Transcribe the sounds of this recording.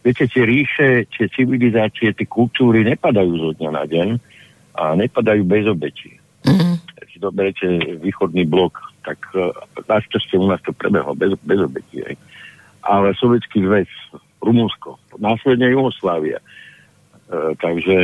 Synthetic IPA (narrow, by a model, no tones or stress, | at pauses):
ʋɪɛcɛt̪ɪɛɾiːʃɛt̪ɪɛt͡siʋilizaːt͡siɛt̪ɪɛkult̪uːɾiɲɛpad̪ajuːzɔd̪ɲana̰ɟɛɲ | ʔaɲɛpad̪ajuːbɛzɔbɛcḭ | kɛsizɔbɛɾɛcɛʋiːxɔd̪niːblɔkt̪aknaʃt͡ʃascɛunaːst̪ɔpɾɛ̰bɛ̰ɦlɔ̰bɛzbɛzɔbɛcḭɦɛ̰j | ʔalɛsɔʋjɛt͡skiːzʋɛs | ɾumunskɔnaːslɛd̪ɲɛjuɦɔslaːʋia̰ | t̪aɡʒɛ